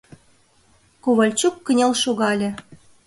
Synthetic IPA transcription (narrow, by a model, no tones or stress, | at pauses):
koβɑlʲt͡ɕukːə̆nʲelʃoɣɑlʲĕ